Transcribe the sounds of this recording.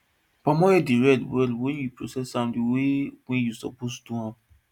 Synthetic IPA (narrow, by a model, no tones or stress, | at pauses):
pamɔjɛdiɹɛdwɛlwɛ̃njupɹosɛsãmdiwewɛ̃jusɔ̰postuhãv